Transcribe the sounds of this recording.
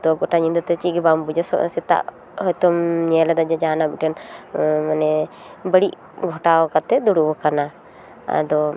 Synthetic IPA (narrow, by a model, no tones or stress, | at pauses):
d̪ɔɡɔʈaɲind̪ɔt̪ɛt͡ʃiɡɛbambud͡ʒɔsɔ̰sɛt̪a̰ʔ | hɔjt̪ɔmɲɛlad̪ad͡ʒad͡ʒaanabiʈɛnmanɛ | bəɽiʔ | ɡʱɔʈaɔkat̪ɛd̪uɽubɔkana | a̰d̪ɔ